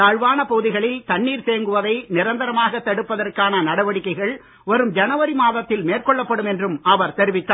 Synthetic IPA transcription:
aːɻʋaːnɐpoːðɪɣɐɭɪlt̪ɐɳːiːɾseːŋɡɯʋɐðɐɪnɪɾɐnd̪ɐɾɐmaːɣɐt̪ːɐɽɯpːɐðɐrkaːnɐnɐɽɐʋɐɽɪkːɐɪɣɐɭ | ʋɐɾɯmd͡ʒɐnɐʋɐɾimaːðɐt̪ːɪlmeːrkɔɭːɐpːɐɽɯmɛndrɯmɐʋɐɾt̪ɛɾɪʋɪt̪ːaː

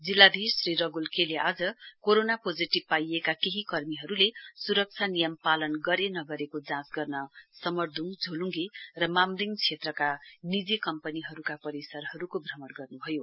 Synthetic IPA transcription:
d͡zilːad̪ʱisriɾʌɡulkeleʔad͡zʌkoɾonapod͡ziʈib̚pajekakeɦikʌrmiɦʌɾulesuɾʌk̚t͡sʰanijʌmpalʌnɡʌɾenʌɡʌɾekod͡zãsɡʌrnʌsʌmʌrd̪ʱuŋd͡zʱoluŋɡerʌmamliŋt͡sʰet̪rʌkanid͡zikʌmpʌniɦʌɾukapʌɾisʌrɦʌɾukobʱrʌmʌnɡʌrnubʱʌjo

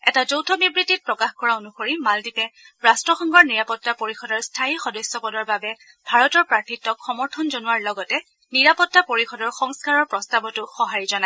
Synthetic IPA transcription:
ɛtazowtʰɔbʱibɹitit̚pɹɔkaxkɔɹaonuxoɹimaldipɛ | ɹastɹɔxɔŋɡɔɹniɹapɔtːapoɹixɔdɔɹstʰaixɔdɔsjɔpɔdɔɹbabɛ | b̥ʱaɹɔtɔɹpɹaɹtʰitːɔkxɔmɔɹtʰɔnzonuwaɹlɔɡɔtɛ | niɹapɔtːapoɹixɔdɔɹxɔŋskaɹɔɹpɹɔstabɔtʊxɔɦaɹizɔna

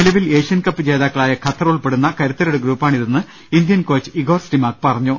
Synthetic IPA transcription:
nilɐʋile̞ːʂijɐnkɐpːɨd͡ʑe̞ːðaːkːɐɭaːjɐkʰɐt̪ːɐruɭpe̞ɽunːɐkɐɾut̪ːɐɾuɽeɡɾuːpːaːɳiðenːɨ | ind̪jɐnkoːt͡ɕːɨ̥iɡo̞ːrsʈimaːk̚pɐrɐɲːu

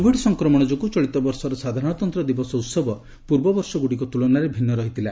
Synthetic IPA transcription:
obʱiɖsɔŋkɾɔmɔɽ̃ɔd͡ʒokut͡ʃɔɭit̪ɔbɔɾsɔɾesad̪ʱaɾɔɽ̃ɔt̪ɔnt̪ɾɔd̪ibɔsɔwt̪sɔbɔ | puɾbɔbɔɾsɔɡuɽikɔt̪ulɔnaɾebʱinːɔɾɔɦit̪ʰila

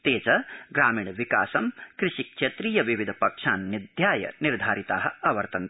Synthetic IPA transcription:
t̪eːt͡ʃɐɡɾaːmiːɳʋikaːsɐmkɾɪʃikʃet̪ɾiːjɐʋiʋid̪ʱɐpɐkʂaːnːid̪ʱjaːjɐ̰niɾd̪ʱaːɾit̪aːɦɐ̆ɐʋɐɾt̪ɐn

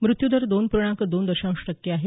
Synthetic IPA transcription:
mɾut̪jud̪əɾd̪onpuɾɳ̃ãŋkəd̪ond̪əɕãw̃ʂʈəkjəaɦe

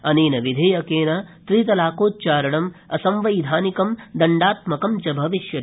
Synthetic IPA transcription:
ɐniːnɐʋid̪ʱeːjɐkeːnɐt̪ɾiːt̪̬ɐlaːkoːt̪̚t͡ʃaːɾɐɽɐmɐsɐmʋɐjd̪ʱaːnikɐmd̪ɐɳɖaːt̪mɐkɐmt͡ʃɐbʱɐʋiʃjɐ

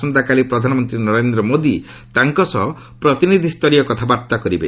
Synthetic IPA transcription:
ɔnd̪akalipɾɔd̪ʱanɔmɔnt̪ɾinɔɾend̪ɾɔmod̪i | t̪aŋkɔsɔɦɔ | pɾɔt̪inid̪ʱist̪ɔɾijɔkɔt̪ʰabaɾt̪akɔɾibḛ

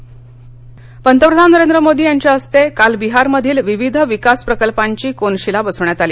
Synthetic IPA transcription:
pənt̪əpɾəd̪ʱanəɾend̪ɾəmod̪iːjaɲt͡ɕjaəst̪ekalbiɦaɾməd̪ʱiːlʋiʋid̪ʱəʋikaspɾəkəlpaɲt͡ɕiːkonɕilabəsəʋɳjat̪aliː

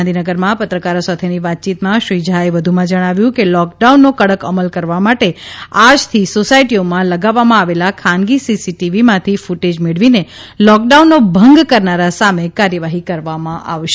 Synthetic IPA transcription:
nd̪ʱinəɡəɾmãpət̪ɾəkaɾosat̪ʰeniʋat̪̚t͡ʃit̪mãʃɾid͡ʒʱaeʋəd̪ʱumãd͡ʒəɽ̃aʋjũkelɔk̚ɖaunːokəɽəkəməlkəɾʋamaʈead͡ʒt̪ʰisosajʈiomãləɡaʋːamãaʋelakʰãnɡisisiʈiʋimãt̪ʰifuʈed͡ʒmeɭʋine | lɔk̚ɖaunːobʱəŋɡkəɾnaɾasamekaɾjəʋaɦikəɾʋamãʔa̰ʋʃe

